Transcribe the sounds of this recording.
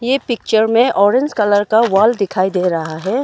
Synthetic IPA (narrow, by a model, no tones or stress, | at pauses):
jepɪk̚t͡ʃəɾmẽʔɔːɾɪ̃ɲd͡ʒkɐləɾkaʋaːld̪ɪkʰaːid̪eːɾɐɦaɦɛː